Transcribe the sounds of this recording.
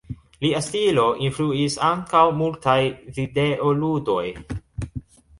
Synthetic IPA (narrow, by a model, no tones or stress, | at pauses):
liastilo̞ʔinfluisaŋkawmultajvideʔo̞ludo̞j